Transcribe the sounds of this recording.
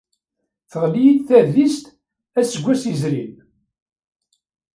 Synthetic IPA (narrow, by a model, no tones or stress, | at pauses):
θəʁlijid̪θæðist̪ | æsəɡʷːæsizɾin